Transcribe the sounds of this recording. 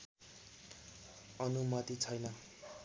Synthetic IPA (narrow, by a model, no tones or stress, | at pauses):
ʌnumʌt̪it͡sʰʌjnʌ